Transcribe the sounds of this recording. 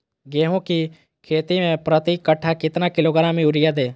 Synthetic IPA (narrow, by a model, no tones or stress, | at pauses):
ɡeːɦõki | kʰeːt̪imẽpɾət̪ikːəʈʰːakɪt̪nakɪloːɡəɾãmẽʊɾɪjad̪eː